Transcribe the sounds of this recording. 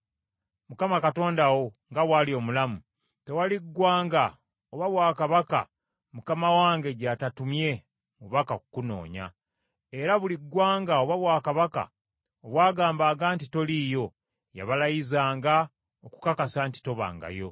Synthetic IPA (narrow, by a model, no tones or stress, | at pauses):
mukamakato̞ːndawo̞ŋɡaβwalio̞ːmulamu | te̞waliɡːwaːŋɡa | oβaβwaːkaβaka̰ | mukamawaːŋɡe̞ɟatatumje̞ | muβakakukuno̞̰ːɲa̰ | e̞ɾaβuliɡwaːŋɡaoβaβwaːkaβaka̰ | oβwaːɡaːmbaːŋɡaːntito̞lijo̞ | ja̰βalajizaːŋɡa | oku̥kakasanti̥to̞βa̰ːŋɡa̰jo̞̰